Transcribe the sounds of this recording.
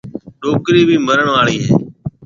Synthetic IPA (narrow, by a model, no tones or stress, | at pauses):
ɗoːkɾiːbʱiːməɾəɳʋaːɭiːɦḛː